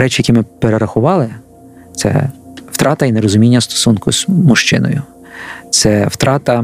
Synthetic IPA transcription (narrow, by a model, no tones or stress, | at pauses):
ɾɛt͡ʃɪjɐkʲimɪpeɾeɾɐxʊʋɑlˠɪ | t̪sɛ̰wt̪ɾɑt̪ɐineɾɔzʊmʲinʲːɐst̪ɔ̥sunkʊzmʊʃt͡ʃɪ̰nɔ̰jʊ | t̪sɛwt̪ɾɑt̪ɐ